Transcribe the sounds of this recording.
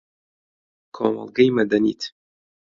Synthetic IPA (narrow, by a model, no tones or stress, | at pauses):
kʰo̰mɐ̰lˠɡɐjmɐd̪ɐnḭːt̪ʰ